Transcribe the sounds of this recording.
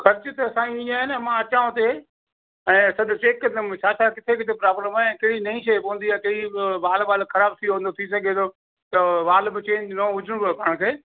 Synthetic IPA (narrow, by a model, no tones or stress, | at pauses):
xɐɾt͡ɕɪt̪ɐɐsãːiĩaːɦɪnəmãɐt͡ɕaːʊ̃t̪e | ɛ̃ːsɐɗʊt͡ɕeːkəd̪əmɪ̃t͡ɕʰaːt͡ɕʰakɪt̪ʰekɪt̪ʰepɾaːbləmaːẽkɐɪɽinɐĩʃeːpoɦnd̪iãːkɐiʋaːlʋaːlxʰɐɾaːbt̪ʰiõnd̪ot̪ʰisɐɡʱed̪ʰo | t̪ɐʋaːlbɪt͡ɕẽːɲd͡ʑnoɦʊd͡ʑʱɪɽ̃bpɐɽ̃kʰeː